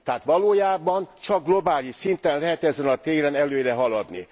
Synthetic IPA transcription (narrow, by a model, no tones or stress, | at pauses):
t̪ɛɦaːt̪ʋɒloːjaːbɒnt͡ʃɒɡ̚ɡlo̞baːliʃsint̪ɛnlɛɦɛt̪ɛzɛnɒt̪eːɾɛnɛløːɾɛɦɒlɒd̪nḭ